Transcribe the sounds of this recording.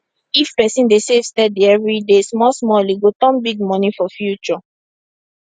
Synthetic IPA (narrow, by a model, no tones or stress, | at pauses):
ifpɛsĩndesev̥stɛdiɛvɹidesmɔsmɔliɡotɔ̃nbiɡ̚mɔnĩfɔfjut͡ʃɔ